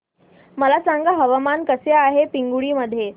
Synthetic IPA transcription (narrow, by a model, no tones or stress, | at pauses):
məlasaŋɡaɦəʋəmankəseaɦepiŋɡuɽiːməd̪ʱːje